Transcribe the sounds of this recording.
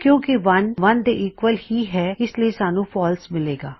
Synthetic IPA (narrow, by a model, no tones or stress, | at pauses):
kjõːkiʋɐnʋɐnd̪eʔiːkʋəlhiɦɛːɪsliesaːnũːpʰɔːlsmɪleːɡaː